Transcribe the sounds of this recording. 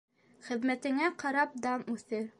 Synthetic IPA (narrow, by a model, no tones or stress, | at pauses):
χɘ̆ðmæt̪ɘ̆ŋæqɑɾɑp̚d̪ɑmʉθɘɾ